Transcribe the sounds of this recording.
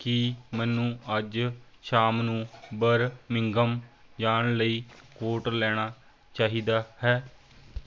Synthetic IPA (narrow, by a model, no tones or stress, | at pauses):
kimɛːnːũːəd͡ʒ | ʃaːmnũːbəɾmɪŋɡəmd͡ʒaːɳləiːkoːʈlɛːɽ̃aː | t͡ʃaːɦiːd̪aːhɛː